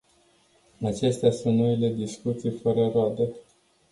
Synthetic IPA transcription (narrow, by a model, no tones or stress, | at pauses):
at͡ʃe̞st̪asunt̪noile̞d̪iskut̪sijfəɾəroad̪e